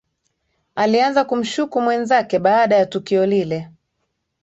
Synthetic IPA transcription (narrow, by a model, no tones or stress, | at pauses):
alianzakum̩ʃukumwɛnzakɛɓaːɗajatukiɔlilɛ